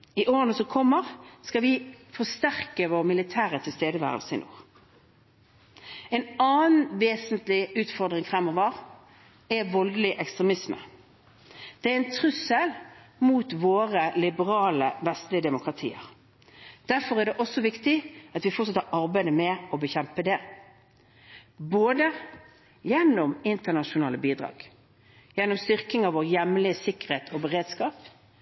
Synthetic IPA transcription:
ɪʔoːʁənəsɔkʰɔmːəʁskɑʋɪfɔst̪æʁkəʋoːʁəmɪlɪt̪ʰæːʁət̪ʰɪlst̪eːd̪əʋæ̰ːʁəlsəɪ̰nʔṵː | ɛnɑːn̩ʋeːsənt̪lɪʉːt̪fɔʁd̪ʁɪŋfʁɛmːɔʋɑʁ | ɛʋɔld̪lɪʔɛkst̪ʁɛmɪsmə̰ | d̪̥ɛæɾɛɪnt̪ʰʁʉsəlmuːt̪ʋoːʁəlɪbəɾɑːləʋɛst̪lɪəd̪ɛmʊkʁɑt̪ʰḭːə̰ɾ | d̪̥æɾfɔʁæɖ̪ɛʔɔsːɔʋɪkt̪ɪɑt̪ʋɪfɔt̪sɑt̪hɑʔɑɾbæɪd̪əmɛɔbəçɛmpəd̪ɛ | boːd̪ə | jɛnːɔmɪnt̪ənɑʃʊnɑːləbiːd̪ʁɑ̰ːɡ̥ | jɛnːɔmst̪ʏʁkɪŋɑʋoːʁjɛmlɪəsɪkːəʁheːt̪ʰɔbəʁeːd̪skɑːp

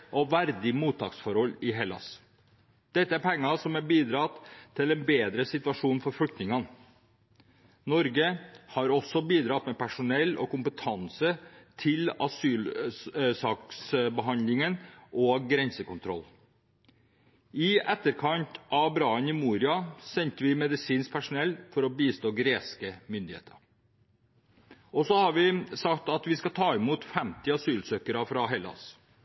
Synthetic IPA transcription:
ʔɔʋæɾd̪ɪmuːt̪ʰːɑ̰ːksfɔɾhɔlɪɦɛlːɑ̰s | d̪̥ɛt̪ːəæɾpʰɛŋːɑsɔmæbiːd̪ɾɑːt̪t̪ʰːɪlɛnbeːd̪ɾəsɪt̪ʋɑʂuːnfɔɾfɭʏk̚t̪nɪŋɑn | nɔɾɡəhɑɾɔsɔbiːd̪ɾɑt̪mɛpʰæʂʊnɛlːʔɔ̰kʊmpət̪ʰɑnsət̪ʰɪlɑsʉːlsɑːksbəɦɑnd̪lɪŋənʔɔɡɾɛnsəkʊnt̪ʰɾɔ̰lː | ɪɛt̪ːəɾkʰɑnt̪ʔɑbɾɑːnɪmuːɾɪɑsɛnt̪əʋɪmɛd̪ɪsiːnsk̚pʰæʂʊnɛlːfɔɾɔbiːst̪oːɡɾeːskəmʏnd̪ɪhḛːt̪ʰəɾ | ɔsɔhɑɾʋɪsɑkt̪ɑt̪ʋɪskɑt̪ʰɑːɪmuːt̪fæmt̪ɪɑsyːlsøːkəɾɑfɾɑɦɛlɑ̰s

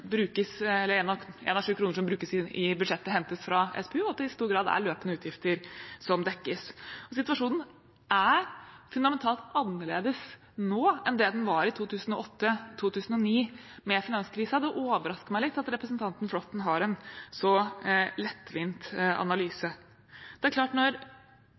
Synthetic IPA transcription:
bɾʉːkəsɛlːəɾɛnɑḛːnɑʋʃʉːkʰɾuːnəʂɔmbɾʉːkəsɪɪbʉd̪ʂɛt̪ːəɦɛnt̪əsfɾɑɛ̰spɛʉːʋoːt̪ːəɪst̪uːɾɡɾɑːd̪æ̰ɭøːpənəʉːt̪ʰjɪft̪əɾsɔmd̪ɛkːəsɔsɪt̪ʉɑʂuːnn̩ | æɾfʉnd̪ɑmɛnt̪ʰɑːlt̪ɑnːəɭḛːd̪əs | noːɛnd̪ɛːd̪ɛnʋɑɾɪt̪ʰuːt̪ʰʉːsn̩ɔɔt̪ːət̪ʰuːt̪ʉːsn̩ɔniː | mɛfɪnɑnskʰɾiːsɑd̪ɛɔʔoːʋəɾɑskəɾmæɪlɪt̪ːɑt̪ɾɛpɾəsənt̪ʰɑnt̪nflɔt̪ːn̩ɦɑɾɛnsɔlɛt̪ːʋɪnt̪ɑ̰nɑlyːsə | d̪̥ɛæɾkʰlɑːʈnɔɾ

